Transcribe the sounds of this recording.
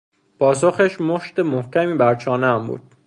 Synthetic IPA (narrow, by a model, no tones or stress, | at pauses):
pʰɒːs̬oxeʃmoʃt̪emohcʰʲæmiːbæɾt͡ʃʰɒːneæmbṵːd̪̥̚